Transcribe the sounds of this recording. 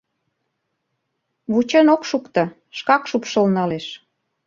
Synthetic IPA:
βut͡ɕenokʃukt̪ɤ̆ | ʃkɑkʃupʃəlnɑleʃ

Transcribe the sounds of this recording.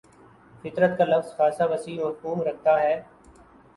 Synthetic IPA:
fɪt̪ɾət̪kalɐfzxaːsaʋəsiːoːɾkuːmɾɐkʰt̪aːɦɛː

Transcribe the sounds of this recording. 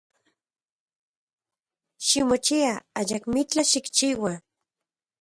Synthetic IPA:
ʃimot͡ʃiaajakmit͡ɬaʃikt͡ʃiwa

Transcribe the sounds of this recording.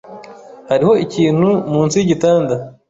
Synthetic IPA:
haɾiho̞iciːn̥humuːnt͡siɟitaːnda

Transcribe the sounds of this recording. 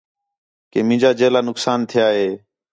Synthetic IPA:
keːmɪ̃ːd͡ʒaːd͡ʒeːlaːnʊksaːnt̪ʰɪjaːɦeː

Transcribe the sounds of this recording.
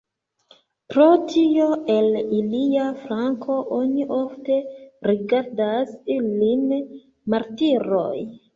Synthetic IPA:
pɾotʰioeliliafɾaŋkʰoʔoniʔofteɾiɡaɾdasilin | maɾtiɾo̰j

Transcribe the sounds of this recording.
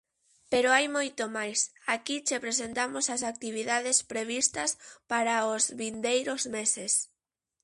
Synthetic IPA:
peɾʊajmojt̪omajsakit͡ʃepɾesent̪amosɐsak̚t̪iβ̞iðaðespɾeβ̞ist̪ɐspaɾaozβind̪ejɾʊzmeses

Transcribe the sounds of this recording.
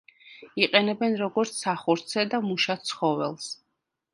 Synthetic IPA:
iqʼɛnɛbɛnɾɔɡɔɾt̪sʰsaχuɾt̪sʰɛd̪amuʃat̪sʰχɔvɛ̰lˠs

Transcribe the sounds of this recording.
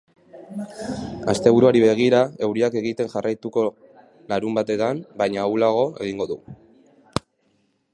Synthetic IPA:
ast̪e̞β̞uɾuaɾiβe̞ɣ̞iɾae̞wɾiake̞ɣit̪e̞nʝarajt̪uko̞ | laɾumbat̪e̞t̪ambajɲawlaɣ̞o̞e̞̰ɣ̞iŋɡo̞ðu

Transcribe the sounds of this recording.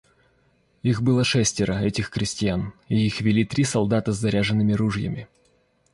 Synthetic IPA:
ixbɨlˠəʂɛsʲtʲɪɾəɛtʲɪxkɾʲɪsʲtʲɪjanɪixvʲɪlʲit̪ɾʲisɐlˠd̪at̪əzːɐɾʲaʐɨnːɨmʲɪɾuʐjə̰mʲɪ

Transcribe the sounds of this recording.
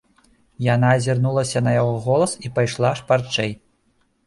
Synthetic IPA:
janazʲirnulˠɐsʲɐnɐjaɣɔɣɔlˠɐsipajʂlˠaʂpart͡ʂɛj

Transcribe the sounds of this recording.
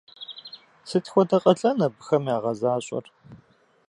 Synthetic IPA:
sɨtʰxʷɔdɐqʼɐɬʼɐnɐbɨxɐmjaːʁɐzaːɕʼɔ̰r

